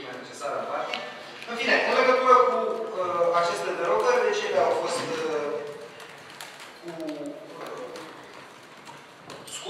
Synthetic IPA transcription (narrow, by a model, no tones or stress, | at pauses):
mene̞t͡ʃe̞saɾə̰npart̪i | ɨnfineʔɨnle̞ɡət̪uɾəkuəat͡ʃe̞st̪ed̪eɾoɡərʲd̪e̞t͡ʃeleawfo̞st̪ | kuə | sk